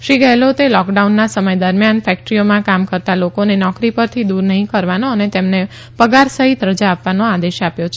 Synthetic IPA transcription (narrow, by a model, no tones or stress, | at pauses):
ʃiɡəɦelot̪elɔkɖaunːasəməjd̪əɾmjanfɛk̚ʈɾijomãkamkəɾt̪alokonenɔkɾipəɾt̪ʰid̪uɾnəɦĩkəɾʋanoənet̪emne | pəɡaɾsəɦit̪ɾəd͡ʒaːpʋanoad̪eʃapjot͡ʃʰ